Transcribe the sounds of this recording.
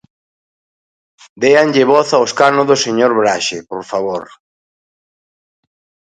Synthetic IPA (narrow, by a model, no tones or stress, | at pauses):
d̪eaŋʎɪβɔθaoskanoðʊseɲoɾβɾaʃepoɾfaβ̞oɾ